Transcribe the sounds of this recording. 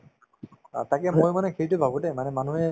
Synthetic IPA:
atakɛmojmanɛkʰeɹitʊbʱabudɛmanɛmanuɦɛ

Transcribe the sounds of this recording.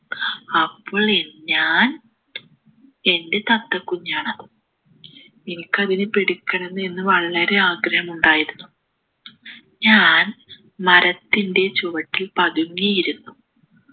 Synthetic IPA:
ɐpːoːɭenɲaːn | e̞nde̞t̪ɐt̪ːɐkːuɲːaːɳɐðɨ | inikʲːɐðinɨpeɽikːɐɳenːɨe̞nːɨʋɐɭːɐɾe̞aːɡɾɐhɐmuɳɖaːjiɾunːu | ɲaːn | mɐɾɐt̪ːinde̞t͡ɕuʋɐʈːilpɐðuŋːijiɾunːu

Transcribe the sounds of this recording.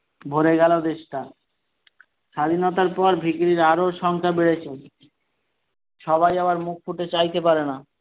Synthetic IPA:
bʱoɾeɡɛlod̪eʃʈa | ʃad̪ʱinot̪aɾpɔɾbʱikɾiɾaɾoɾʃɔŋkʰabeɽet͡ɕʰen | ʃɔbajaβaɾmuk̚ʰfuʈet͡ɕajt̪epaɾena

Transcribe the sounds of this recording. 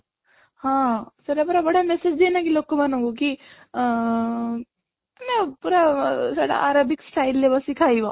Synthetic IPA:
hãːsɐɾɛbɐɾabɐɽamɛsed͡ʒd̪enakiloːɡ̚komɐnõɡoki | mɛ̃puːɾasa̰ːɽa̰ʔaːɾaːbɪksʈaːɪlːebəsikʰaːiʋa

